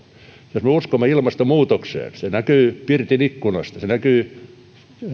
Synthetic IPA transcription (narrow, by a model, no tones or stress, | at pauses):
josmeuskomːeilmɑst̪omuːt̪oksḛːnsenækyːpirt̪inikːunɑ̰st̪ɑsenækyː